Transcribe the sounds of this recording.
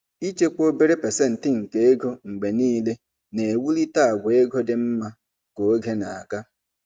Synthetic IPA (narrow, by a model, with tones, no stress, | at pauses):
i˦t͡ʃe˦k͡po˦be˦ɾe˦pe˨se˦n̩˨tɪ˦ŋ̩˨ke˦e˦ɡo˦ŋ̩˨ɡ͡be˨niː˦le˦ | ne˨e˨wu˦li˦ta˦a˨ɡʷe˦ɡo˦dɪ˨m̩˦ma˦ | ko˨˦ɡe˦na˨a˨ka˦